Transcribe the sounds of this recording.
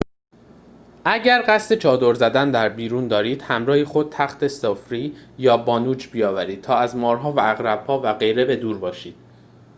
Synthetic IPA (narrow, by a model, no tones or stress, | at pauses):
ʔæɟæɾɢæst̪e̞t͡ʃʰɒːd̪oɾzæd̪ænd̪æɾbiːɾuːnd̪ɒːɾiːd̪̥hæmɾɒːhexo̞d̪̚t̪ʰæxt̪ʰe̞sofɾiːjɒːbɒːnuːd͡ʒbijɒːvæɾiːd̪̚t̪ʰɒːæzmɒːɾɦɒːvææɣɾæb̥hɒːvæɣe̞jɾe̞be̞d̪uːɾbɒːʃiːd̪̥